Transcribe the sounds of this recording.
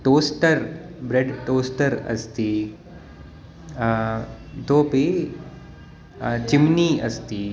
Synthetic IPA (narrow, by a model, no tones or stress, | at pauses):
ʈoːsʈəɾbɾeɖʈoːsʈəɾɐ̰st̪iː | t̪oːpi | t͡ʃimniɐ̰st̪iː